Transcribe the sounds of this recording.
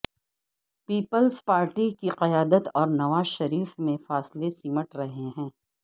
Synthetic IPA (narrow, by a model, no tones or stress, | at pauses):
piːpəlzpaːɾʈikiqɐjaːd̪ət̪ɔːɾnɐʋaːzʃɐɾiːfmẽfaːslesiːməʈɾɐɦeɦɛ̃ː